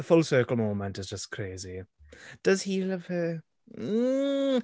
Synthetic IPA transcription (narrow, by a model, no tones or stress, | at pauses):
əfʊlˠsɜˑkəlˠmoːmə̃ntɪzd͡ʒʌskʰɹ̥eɪzid̥əz̥hilʌv̥hə